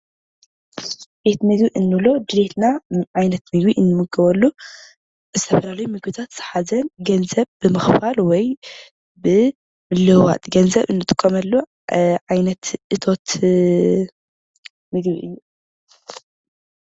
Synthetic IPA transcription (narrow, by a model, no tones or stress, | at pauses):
bet̪mɨɡiʔɨnːɨlod̪ɨɾet̪ʰnaʕajnɐt̪mɨɡbiʔɨnːɨmɨɡɐβɐlːu | ɨst̪ʰɐfɐlalijmɨɡbɨt̪ʰat̪z̥ɨ̥ħazɐnɡɐnzɐβbɨmɐxfalwɔj | bɨ | mɨlːɨwa̰t̪ʼɡɐnzɐβɨnːɨt̪ʼɨ̥kʼːɐmɐlːu | ʕajnɐt̪ʔɨt̪ʰo̞t̪ | mɨɡbiʔɨjːu